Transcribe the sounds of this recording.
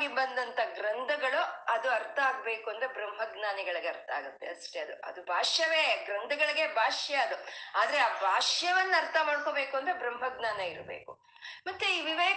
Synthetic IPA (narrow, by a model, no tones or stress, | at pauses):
ɡibɐnd̪ɐnt̪ʰɐɡɾɐnd̪ʱɐɡɐɭuɐd̪uɐɾt̪ʰɐaːɡbe̞ːkuɐnd̪ɾebɾɐmɦɐɡnaːniɡɐɭɐɡeɐɾt̪ʰɐaːɡut̪ːe̞̰ɐsʈeɐd̪ṵʔɐ̰d̪ubʱaːʂjɐʋe̞ːɡɾɐnd̪ʱɐɡɐɭiɡe̞bʱaːʂjɐɐd̪uaːd̪ɐɾeaːbʱaːʂjɐʋɐnːɐɐɾt̪ʰɐmaːɽko̞ːbeːkuɐnd̪ɾebɾɐmɦɐɡnaːnɐiɾbḛːku | mɐt̪ːuiːʋiʋeː